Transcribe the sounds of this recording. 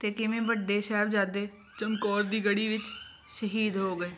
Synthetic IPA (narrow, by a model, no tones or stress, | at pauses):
t̪eːkɪmẽːbəɖːeːʃɛːbd͡ʒaːd̪eː | t͡ʃəŋkɔːɾd̪iːɡəɽiːʋɪt͡ʃ | ʃəɦiːd̪ɦoːɡəeː